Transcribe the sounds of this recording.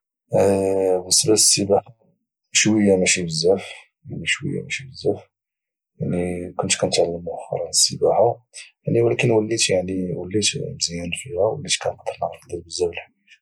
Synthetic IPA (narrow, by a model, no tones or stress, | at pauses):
bəsːəbæəsːəbaħa | ʃwəjːamæʃibəzːæf | janiʃwə̰jːa̰mæʃibəzːæf | jaʕnikʊnt̪kænt̪ʕalːəmuʔæxɑ̰ɾˤɑnəsːəbaħajaʕniwlækənwəlːit̪jaʕniwəlːit̪bzjænfihæwə̰lːit̪kænqɑd̪ːəɾnəɣɾkd̪æɾbəzːæbəlħi